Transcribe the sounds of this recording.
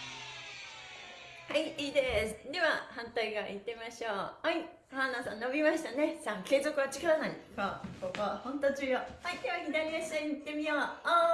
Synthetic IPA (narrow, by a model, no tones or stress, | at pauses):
haiiːd̪e̞sɨ̥d̪e̞βahãnt̪aiɡaʔit̪ːe̞maɕo̞ːhai | kaanasãnno̞bʲimaɕi̥t̪ane̞sãŋke̞ːzo̞kɯβat͡ɕi̥kaɾanaikakokahãnt̪at͡ɕijahait̪eβakʲid̪aɾʲiaɕaɲit̪ːe̞mʲijoː